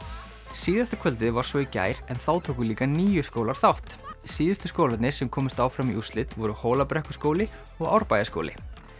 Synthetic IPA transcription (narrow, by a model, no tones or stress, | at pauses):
siːðast̪ḁkʰvœlt̪ɪvaɾ̥svɔica̰ːjɾɛnθaːwt̪ʰowkʏliːkaniːjʏskowlaɾ̥θawht̪siːðʏst̪ʏskoːwlat̪nɪ̥sɛmkʰɔːmʏst̪aːwfɾamiust̪lɪt̪vɔɾʏhɔːlapɾɛhkʏ̥skoːwlɪ | ɔɣawɾpaːjasko̰wlɪ̰